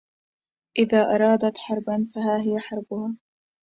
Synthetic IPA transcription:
ʔɪðaːʔɑɾˤɑːd̪at̪ħɑɾˤbanfaɦaːɦɪjaħɑɾˤbʊhaː

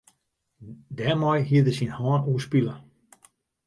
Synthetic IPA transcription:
dɛmɔjɦiədəsinhaːnuəspilə

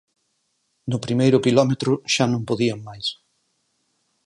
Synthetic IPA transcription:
nʊpɾimejɾʊkilɔmet̪ɾʊʃanõŋpoðiaŋmajs

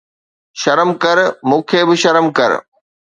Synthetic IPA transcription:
ʃɐɾəmkɐɾmũːkʰebɪʃɐɾəmkɐ̰ɾ̰

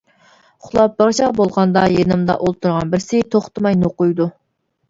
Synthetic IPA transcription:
χʊlˠɑp̚bɑʁt͡ʃɑbolˠʁɑnd̪ɑjenɨmd̪ɑ̰ʔolˠt̪ʰuɾʁɑnbɪɾsɪt̪ʰoχt̪ʰɨmɑjnoqʊjd̪u

